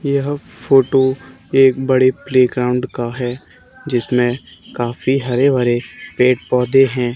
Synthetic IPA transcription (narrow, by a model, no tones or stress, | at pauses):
jəɦfʰoːʈo | eːkbɐɽepleːɡɾaːʊ̃ɳɖkaɦɛː | d͡ʒɪsmẽkaːfiɦɐɾeʋaɾepeːʈ̚pɔːd̪eɦɛ̃ː